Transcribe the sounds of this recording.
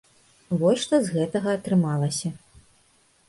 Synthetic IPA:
vɔsʲʂt̪ɔzɣɛt̪ɐɣɐːt̪ɾɨmalˠɐsʲɐ

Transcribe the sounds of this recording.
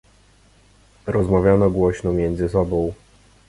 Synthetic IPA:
ɾɔzmavʲjanɔɡwɔɕnɔmʲjɛnd̪zɘsɔbɔ̃w̃

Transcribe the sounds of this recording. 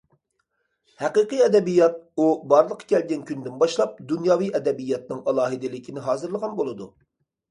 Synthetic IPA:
hæqiqɨjɛd̪ɛbijːɑt̪̚ubɑɾlˠəqʰːɑ̥kʲʰɛlɡʲɛnkʲʰynd̪ɪnbɑʃlˠɑp̚d̪unjɑːwijɛd̪ɛbijːɑt̪̚nɨŋɑlˠɑːɦɨd̪ɪlɪkʲʰinɪɦɑːzɨɾlˠəʁɑnbolˠɨd̪u

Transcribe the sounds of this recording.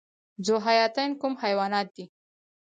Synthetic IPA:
zoɦajɑt̪ankumhajwɑnɑt̪̚d̪̥i

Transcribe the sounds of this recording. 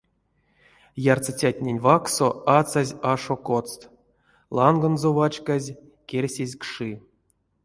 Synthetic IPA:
jart͡sat͡sʲat̪ʲnʲenʲvaksoat͡sazʲaʂokot͡st̪ | lˠanɡonzovat͡ʃkazʲ | kʲerʲsʲezʲkʂɨ

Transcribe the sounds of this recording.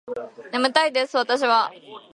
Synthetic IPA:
nemɯ̟t̪aid̪esɨβat̪aɕ̬iβa

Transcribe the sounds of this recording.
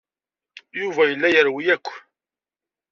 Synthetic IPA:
juvæjəlːæjəɾwijækʷː

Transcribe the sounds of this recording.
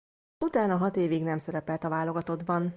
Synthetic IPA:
ut̪aːnɒɦɒt̪eːviɡnɛmsɛɾɛpɛlt̪ɒvaːlo̞ɡɒt̪o̞d̪bɒn

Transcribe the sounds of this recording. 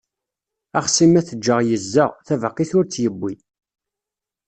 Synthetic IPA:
ɑχsimæθəd͡ʒːəʁjəzːəʁθævəqːiθʊɾt͡sːjəbːi

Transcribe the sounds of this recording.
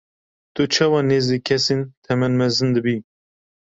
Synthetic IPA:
t̪ɨt͡ʃʰɑːwɑːneːziːkʰɛsent̪ʰɛmɛnmɛzɨnd̪ɨbiː

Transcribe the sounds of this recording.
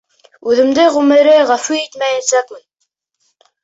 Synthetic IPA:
ʉðɘ̆md̪ɘʁɵmɘ̆ɾɘʁæfʉit̪mæjæt̪sækmɘn

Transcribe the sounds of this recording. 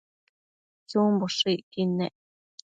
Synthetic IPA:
t͡suːmboʂiʔkinɛʔ

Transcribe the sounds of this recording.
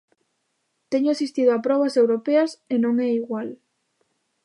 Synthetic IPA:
t̪ɛɲʊasist̪ið̞oapɾɔβ̞ɐsewɾopeɐsenõŋɛiɣwal

